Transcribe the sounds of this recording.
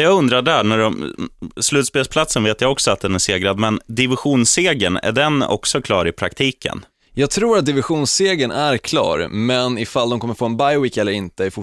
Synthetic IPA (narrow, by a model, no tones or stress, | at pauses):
jɑːɡɵnd̪ɾaɖæːɳæɖɔmslʉ̟t̪speːlspʰlat̪sənveːt̪jaɔksɔat̪̚d̪ɛnæʂeːɡɾad̪mɛnd̪ɪvɪɧuːnseːɡənæ̰ɖɛnɔ̰ksɔkʰlɑːɾɪpʰɾa̰kt̪ʰiːkʰə̰n | jɑːɡ̚t̪ʰɾuːɾat̪̚d̪ɪvɪɧuːnseːɡənæɾkʰlɑ̰ːɾmɛnɪfald̪ɔmkɔmːəɾfoːɛnbajwɪkɛlːəɾɪnt̪əæɾfʊ